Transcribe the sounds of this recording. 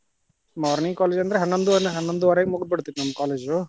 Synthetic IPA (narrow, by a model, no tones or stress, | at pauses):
maːɾniŋkaːled͡ʒɐnd̪ɾeɦɐnːond̪uʋanɦɐnːond̪uʋaːɾɐːɡemuɡd̪̚bɐɽt̪it̪nɐmːɐkaːleːd͡ʒu